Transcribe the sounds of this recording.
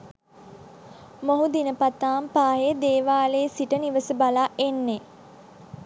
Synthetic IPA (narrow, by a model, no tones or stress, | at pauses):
moɦud̪inəpat̪aːmpaːɦed̪eːʋaːleːsiʈəniʋəsəbalaːʔenːe